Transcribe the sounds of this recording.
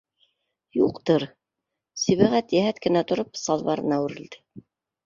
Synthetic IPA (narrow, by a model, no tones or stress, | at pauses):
juqt̪ɤɾ | siβæʁæt̪jæɦæt̪kɘ̆næt̪ŏɾopsɑlˠβɑɾɤnæwɘ̆ɾɘ̆ld̪ɘ̥